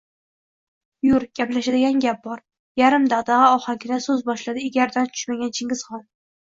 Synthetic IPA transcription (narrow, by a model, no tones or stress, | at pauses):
jʊɾɡʲaplaʃad̪ɪɡʲanɡʲap̚bɒɾ | jaɾɪmd̪aʁd̪ɑʁɨɒχakʲʰɪnasɵzbɒʃlad̪ɪɪɡʲaɾd̪ant͡ʃ̪ʰʊ̥ʃmaɡʲant͡ʃʰɪŋɡʲɪz̥χɒnˠ